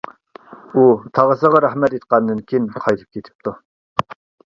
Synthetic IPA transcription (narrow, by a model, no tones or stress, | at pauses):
ut̪ʰɑʁəsəʁɑɾæχmɛt̪et̪̚qɑnd̪ɨnkʲʰinqʰɑjt̪ʰɨ̥p̚kʲʰet̪ʰɪ̥p̚t̪ʰu